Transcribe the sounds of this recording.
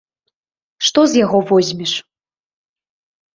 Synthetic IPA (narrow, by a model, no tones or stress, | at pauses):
ʂt̪ɔzjaɣɔvɔzʲmʲiʂ